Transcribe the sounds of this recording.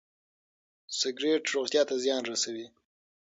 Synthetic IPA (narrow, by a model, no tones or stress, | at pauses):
sɪɡɾeʈɾoɣt̪jɑt̪azjɑnɾasawi